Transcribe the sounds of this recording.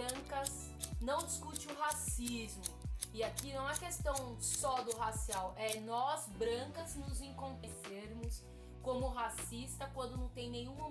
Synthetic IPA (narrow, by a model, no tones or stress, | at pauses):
ɐ̃kɐz | nɐ̃w̃d͡ʒiskut͡ʃɪʊɦasizmʊɪakinɐ̃w̃ɛkest̪ɐ̃w̃sɔd̪ʊɦasiawʔɛnɔzbɾɐ̃ŋkɐznʊzẽŋkõnt̪eseɾmʊs | kõmʊɦasist̪ɐkwɐ̃nd̪ʊnɐ̃w̃t̪ẽj̃nẽɲ̃ũo